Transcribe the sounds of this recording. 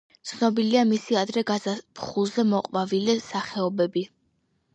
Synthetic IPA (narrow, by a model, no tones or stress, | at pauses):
t̪sʰnɔbiliamisiad̪ɾɛɡazapχulˠzɛmɔqʼwvavilɛsaχɛɔbɛbi